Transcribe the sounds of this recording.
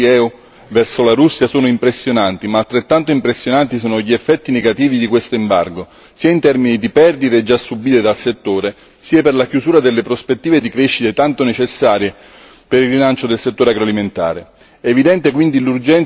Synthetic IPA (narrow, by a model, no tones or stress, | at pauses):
ɛu | vɛrsolaɾusːjasoːnoimpɾesːjonant̪imaːlt̪ːɾet̪ːant̪oimpɾesːjonant̪isoːnoʎːiefːɛt̪ːineɡat̪iːvid̪ikwest̪oimba̰rɡo | siːaint̪ɛrminid̪ipɛrd̪it̪ed͡ʒːasːubiːt̪ed̪alset̪ːoːɾe | siːaperlakjuzuːɾad̪elːepɾospet̪ːiːved̪ikɾeʃːit̪et̪ant̪onet͡ʃesːaːɾje | peɾilrːilant͡ʃod̪elset̪ːoːɾeaɡɾoaliment̪a̰ːɾe | ɛːvid̪ɛnt̪ekwind̪ilurd͡ʒɛn